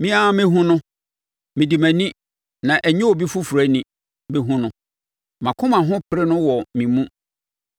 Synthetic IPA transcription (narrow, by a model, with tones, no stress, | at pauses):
mĩ˦a˦mɪ̃˦ɦũ˦nʊ̃˦ | mɪ̃˨di˨mæ̃˨nĩ˦ | nã˨ʔæ˨ɲĩ˦o˨bi˦fu˦fu˨ɾæ˨˦nĩ˨ | be˦ɦũ˦nʊ̃˦ | mã˨kʰʊ̃˦mã˨ɦʊ̃˦pʰɪ˦ɾe˦nʊ̃˦wɔ˨mĩ˨mũ˦